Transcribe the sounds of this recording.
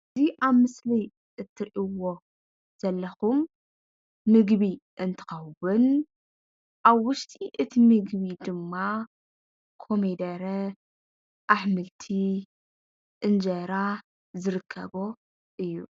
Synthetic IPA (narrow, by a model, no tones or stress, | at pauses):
ziʔaβmɨslɐj | ɨt̪ʰːɨɾʔiwo | z̥ɐlːɐxumː | ɨɡβiʔɨnt̪ʰɨ̥xɐwun | ʔaβwʊʃt̪ʰʼiʔɨt̪ʰimɨɡβid̪ɨmːa | kʰo̞med̪ɐɾɐ | ʔaħmɨlt̪ʰi | ʔɨnd͡ʒɐɾa | zɨɾɨkʰːɐ̰βo | ʔɨjːu